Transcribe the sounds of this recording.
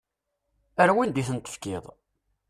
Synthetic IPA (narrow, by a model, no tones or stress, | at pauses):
əɾwind̪iθənt̪ˤə̥fkɪðˤ